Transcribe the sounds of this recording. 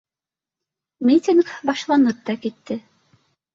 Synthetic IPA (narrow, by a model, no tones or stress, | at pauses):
mʲit̪ʲɪnkbɑʃlˠɑnɤpt̪ɑkit̪ːɘ